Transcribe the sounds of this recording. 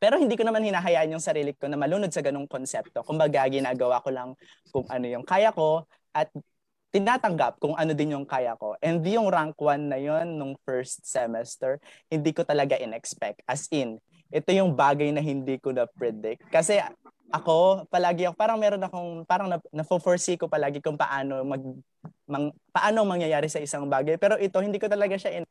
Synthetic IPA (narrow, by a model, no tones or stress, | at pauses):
pɛːɾo̞hɪnd̪iːko̞nɐmanhɪnaːɦɐjaːʔɪnjʊŋsɐɾiːlɪko̞nɐmɐluːno̞d̪̚sɐɡɐnoŋko̞nsɛp̚t̪o̞kʊmbɐɡaʔɡɪnaːɡɐwakolɐŋ | kʊŋʔɐno̞jʊŋkaːjɐko̞ | ʔɐt̪̚ː | ɪnaːt̪ɐŋɡap̚kʊŋʔɐno̞d̪ɪnjʊŋkaːjɐko̞̰ʔɛnd̪jʊŋɾaŋkwɐnːɐjo̞nːʊŋfɛɹst̪̚sɛmɛst̪ɛɹhɪnd̪iːkot̪ɐlɐɡaʔɪnɛkspɛk̚t̪̚ʔɐsʔɪn | ʔɛt̪o̞jʊŋbaːɡɐjnɐɦɪnd̪iːkonɐpɹɛd̪ɪk̚ːɐsɛ | ʔɐko̞pɐlaːɡɪʔɐkopaːɾɐŋmɛːɾo̞nɐko̞ŋpaːɾɐŋnɐnɐfofoɹsikopɐlaːɡɪkʊŋpɐʔaːnomɐɡ̚ | mɐŋ | pɐʔaːnoɐŋmɐŋjɐjaːɾɪsɐʔɪsaŋbaːɡɐjpɛːɾo̞ʔɪt̪o̞hɪnd̪iːkot̪ɐlɐɡaʃaʔɪ